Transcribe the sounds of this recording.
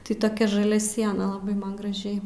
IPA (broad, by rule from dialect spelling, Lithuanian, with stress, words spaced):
tɐɪ toːˈkʲɛ ʒɐˈlʲɛ ˈsʲiɛnɐ lˠɐˈbɐɪ ˈmɐn ɡrɐˈʒʲɛɪ